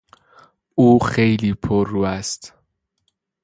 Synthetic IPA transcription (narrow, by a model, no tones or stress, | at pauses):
ʔuːxejliːpʰoɾuːæst̪